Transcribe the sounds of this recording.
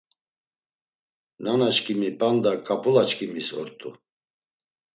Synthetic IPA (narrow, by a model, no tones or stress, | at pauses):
nanat͡ʃkʼimipʼand̪akʼapʼulat͡ʃkʼimisɔ̰ɾt̪ʼṵ